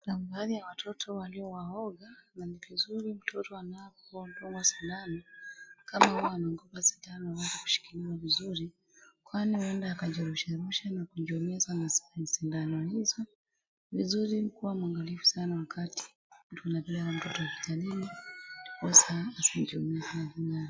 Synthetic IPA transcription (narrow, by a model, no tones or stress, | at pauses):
nambaːðijawatʰɔtʰɔwaliɔwaɔɡananivizuɾim̩tʰɔtɔanapɔuam̩dɔŋɡɔsindanɔkamahuaanaŋɡɔpasi̥ndanɔhawɛnzaku̥ʃi̥kiliwavizuɾi | kwanihuɛndaːkaʄɛɾuʃaɾuʃanakuʄiɔmiasanasnisindanɔhizɔ | vizuɾinikuwamuaŋɡalifu̥sanawakʰati̥ | tunavilawam̩tɔtɔwaki̥talinikɔsaːsid͡ʒiɔmiasanahina